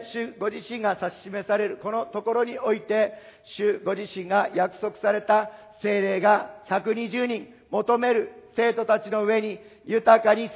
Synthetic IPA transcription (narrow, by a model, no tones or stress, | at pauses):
ɕɨɡo̞ʑiɕĩŋɡasaɕi̥ɕime̞saɾe̞ɾɯ̟ko̞no̞t̪o̞ko̞ɾo̞ɲ̟io̞it̪e̞ | ɕɨɡo̞ʑiɕĩŋɡajakɯ̟̥so̞kɯ̟̥saɾe̞t̪a | se̞ːɾe̞ːɡaçakɯ̟ɲ̟iʑɨːɲ̟ĩm | mo̞t̪o̞me̞ɾɯ̟se̞ːt̪o̞t̪at͡ɕino̞ɯ̟e̞ɲ̟ijɯ̟t̪akaɲ̟i